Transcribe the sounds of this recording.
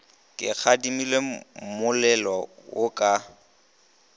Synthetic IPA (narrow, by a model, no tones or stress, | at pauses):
kʼɪk͡xʰadimilemʊlɛlɔwʊkʼa